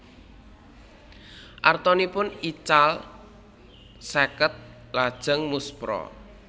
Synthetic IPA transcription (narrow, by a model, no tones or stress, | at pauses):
ʔart̪ɔnipʊnit͡ʃal | sɛkət̪̚ | lad̥ʒ̥ə̤ŋmuspɾɔ̰